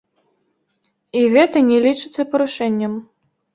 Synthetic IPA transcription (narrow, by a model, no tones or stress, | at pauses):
iɣɛt̪ɐnʲɛlʲit͡ʂɨt̪sːɐpɐɾuʂɛnʲːɐm